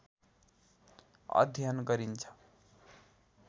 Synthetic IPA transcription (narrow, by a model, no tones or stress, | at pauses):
ʌ̰d̪ʱjanɡʌɾint͡sʰʌ̥